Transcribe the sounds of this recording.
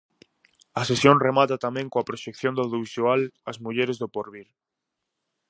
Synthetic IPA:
ɐsesjõŋremat̪at̪amɛ̃ŋkoɐpɾoʃekθjõnd̪awðjoβisualɐzmuʎeɾezðʊpoɾβiɾ

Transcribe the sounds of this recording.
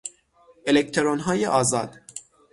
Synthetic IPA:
ʔelekt̪ʰeɾonɦɒːjeʔɒːzɒːd̪̥

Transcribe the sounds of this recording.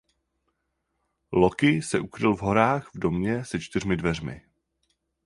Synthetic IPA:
lo̞kɪsɛʔukɾɪlvɦo̞ɾaːxvdo̞mɲɛsɛt͡ʃt̪ɪr̝mɪdvɛrmɪ̰

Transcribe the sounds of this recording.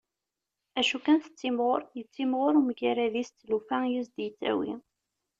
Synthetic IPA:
æʃukænθə̥t͡sːimʁoɾˤjət͡sːimʁoɾuməʝæɾæðist͡s̪ːlufæjizd̪jət͡sːæ̰wḭ

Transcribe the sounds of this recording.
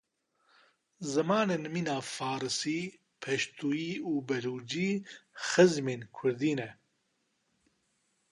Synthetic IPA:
zɨmaːneːnmiːnaːfaːɾɨsiː | pʰɛʃt̪ʰuːjiːuːbɛluːd͡ʒiːxɨzmeːnkʰʊɾd̪iːnɛ

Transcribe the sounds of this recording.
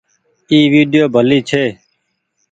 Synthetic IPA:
iːʋiːɖɪjoːbʱəliːt͡ʃʰeː

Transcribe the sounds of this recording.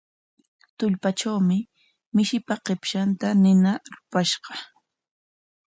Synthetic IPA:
t̪ʊʎpat͡ʃawmɪ | mɪʃɪpaqepʃant̪anɪnaɾʊpaʃɢɑ

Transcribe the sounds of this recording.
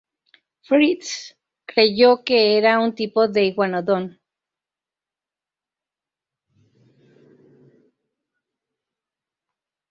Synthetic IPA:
fɾit̪s | kɾe̞ʝo̞ke̞eɾaunt̪ipo̞ðe̞iɣwanoðo̞n

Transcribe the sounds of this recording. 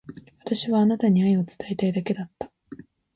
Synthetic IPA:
βat̪aɕiβaːnat̪aɲ̟iaio̞t͡sɨ̥t̪aet̪aid̪ake̞d̪at̪ːḁ

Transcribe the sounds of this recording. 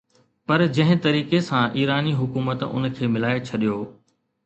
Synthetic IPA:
pɐɾd͡ʑɐ̃ɦɪ̃t̪ɐɾiːkesãʔiːɾaːniɦʊkuːmət̪ʊ̰n̆kʰeːmɪlaːet͡ɕʰɐɗijoː

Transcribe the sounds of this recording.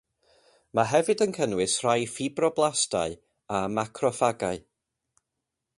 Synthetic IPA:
maɦɛvɨdənkʰənwɨsr̥ajfibrɔblˠastaɨ | amakʰrɔfaɡaɨ

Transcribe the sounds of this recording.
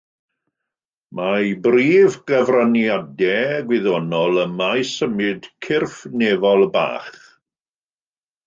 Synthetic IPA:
mabriːvɡəvranjadɛɡwɪðɔnɔlˠəmajsəmɨd̥kʰɪrfnevɔlˠba̰ːχ

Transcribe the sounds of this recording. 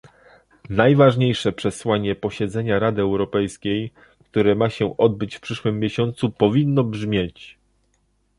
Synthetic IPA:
najvaʐɲejʂɛpʂɛswaɲɛpɔɕɛd̪zɛɲaɾad̪ɘɛwɾɔpɛjskʲej | kt̪uɾɛmaɕɛʔɔd̪̚bɘt͡ɕfpʂɘʂwɘmʲːjeɕɔnt̪supɔvʲinːɔbʐmʲjet͡ɕ

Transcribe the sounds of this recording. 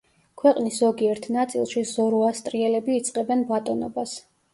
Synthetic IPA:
kʰwɛqʼniszɔɡiɛɾt̪ʰnat̪sʼḭlˠʃizɔɾuast̪ʼɾiɛlɛbiːt̪sʼqʼɛbɛnbat̪ʼɔnɔbas

